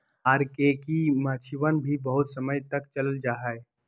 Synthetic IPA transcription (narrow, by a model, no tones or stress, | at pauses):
aːɾkekimat͡ʃʰiʋənbʱibɐɦʊt̪səməjt̪ɐkt͡ʃələld͡ʒaːɦɛe